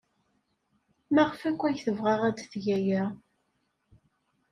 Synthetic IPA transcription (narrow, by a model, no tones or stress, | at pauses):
mæʁəfækʷːæjθəvʁæʁæd̪θʝæjæ